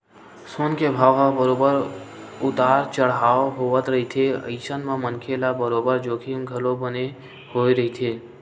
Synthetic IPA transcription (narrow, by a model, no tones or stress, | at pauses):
soːnkebʱaːʋɦabəɾoːbəɾʊt̪aːɾt͡ʃəɽɦaːoɦoʋət̪ɾəɦit̪ʰeə̰ɪsənmãmənkʰelabəɾoːbəɾd͡ʒoːkʰimɡʱəlobəne | hoːiɾəit̪ʰeː